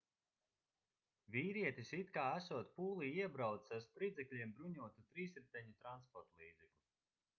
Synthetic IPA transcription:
vʲiːɾiɛt̪isit̪kaːæsuɔt̪̚puːlˠiiɛbɾawt̪saɾspɾid̪zɛklʲiɛmbɾuɲuɔt̪ut̪ɾiːsɛm̚t̪ʲɛɲit̪ɾanspɔɾt̪lˠiːd̪zɛklʲu

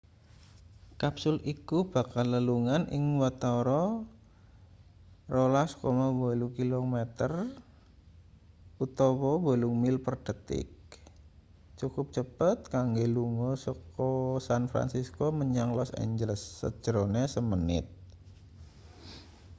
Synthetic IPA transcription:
kapsʊlikub̥akalːəluŋanʔɪŋwat̪oɾɔ | rolaskomawolukilomɛt̪ər | ut̪owɔwoluŋmɪlpərd̥ət̪ɪ̰k̚ | t͡ʃukʊp̚t͡ʃəpət̪̚kaŋɡeluŋɔsɔkɔsanfɾa̰nsiskoməɲaŋlɔsɛ̰ɲd͡ʒələsːə̰d͡ʒ̥əɾonesəmənɪ̰t̪̚

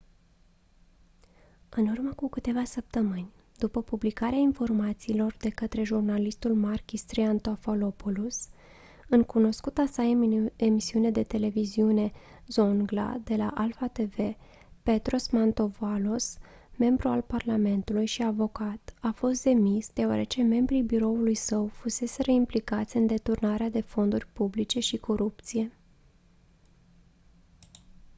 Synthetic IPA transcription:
ɨnurməkukɨt̪e̞vasəp̚t̪əmɨnʲ | d̪upəpublikaɾeainfo̞rmat̪siːlo̞rd̪e̞kət̪ɾe̞ʒurnalist̪ulmarkʲist̪ɾiant̪ofalo̞pulus | ɨŋkuno̞skut̪asae̞misiuned̪e̞t̪e̞le̞viziune̞ | zo̞ŋɡla̰d̪e̞la̰ʔalfat̪e̞ve̞ | pe̞t̪ɾo̞smant̪o̞valo̞s | me̞mbɾualparlame̞nt̪ulujʃiavo̞kat̪afo̞st̪̚d̪e̞misd̪̥e̞oa̰ɾe̞t͡ʃe̞me̞mbɾibiɾo̞ulujsəwfuse̞se̞ɾəimplikat̪sʲɨnd̪e̞t̪urnaɾead̪e̞fo̞nd̪urʲpublit͡ʃe̞ʃikʰo̞ɾup̚t̪sije̞

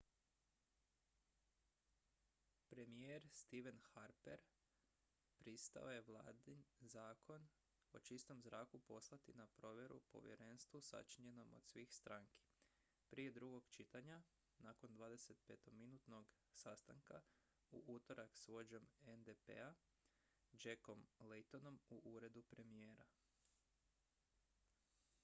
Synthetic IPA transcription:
pɾe̞mijeɾst̪iʋe̞nxaɾpeɾ | pɾist̪a̰o̞je̞ʋlˠa̰ːd̪inzaːkʰo̞n | o̞̰t͡ʃist̪o̞mzɾaːkupo̞slˠat̪inapɾo̞ʋje̞ɾṵpo̞̰ʋjḛɾenst̪ʋusa̰t͡ʃiɲe̞no̞mo̰d̪̥sʋiːxst̪ɾaːŋki̥ | pɾije̞d̪ɾuɡo̞ɡt͡ʃit̪aɲa | naːko̞nd̪ʋaːd̪eset̪̚pe̞t̪ominuːt̪no̞ɡ | sast̪a̰ŋka | uʔut̪o̞ɾaksʋo̞d͡ʑo̞mend̪epḛa | d͡ʒeko̞mlejt̪o̞no̞muʔuːɾe̞d̪upɾe̞mije̞ːɾa

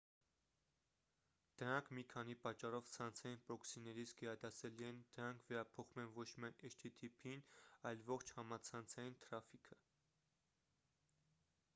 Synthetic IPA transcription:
d̪̥əɾɑŋkʰmikʰɑnipɑt͡ʃːɑrɔvt͡sʰɑnt͡sʰɑjinpɾɔksinːɛɾit͡sʰɡɛɾɑd̪ɑsɛliɛnd̪əɾɑŋkʰvɛɾɑpʰɔχumɛnvɔt͡ʃʰmiɑjnɛʃt̪ʰit̪ʰipʰinɑjlvɔχt͡ʃʰhɑmɑt͡sʰɑnt͡sʰɑjint̪ʰɾɑfikʰə

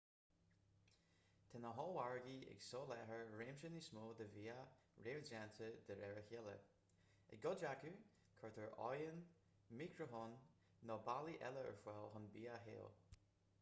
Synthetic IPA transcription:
t̪ʰɛnəɦɔaɹɡiɪ̰ɡsɔːlɛɦəɹɹeːmʃənismoːd̪əviːaɹeːɹd͡ʒant̪ʰəd̪əɾɛɹəhɛlə̰ | ə̰ɡɔd͡ʒaku | kʰɔɹt̪ʰəɹʔɔ̰jən | mikʰɾəfoːnː | ɔbaliʔɛləə̰ɹfwɛlɦʊnbiːaɦḛːl

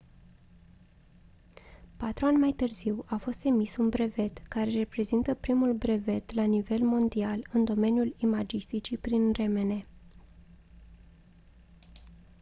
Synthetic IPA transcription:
pat̪ɾuanʲmajt̪ɨrziwafo̞st̪e̞misunbɾe̞ve̞t̪kaɾe̞re̞pɾe̞zint̪əpɾimulbɾe̞ve̞t̪lanive̞lmo̞nd̪ialɨnd̪o̞me̞njulimad͡ʒist̪it͡ʃipɾinre̞me̞ne̞

